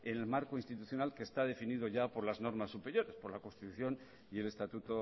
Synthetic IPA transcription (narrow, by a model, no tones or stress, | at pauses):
ene̞lmaɾko̞inst̪it̪uθjo̞nalkeːst̪aðe̞finið̞o̞ʝapo̞ɾlazno̞ɾmasːupe̞ɾjo̞ɾe̞spo̞ɾlako̞nst̪it̪uθjo̞n | ie̞le̞st̪at̪ut̪o̞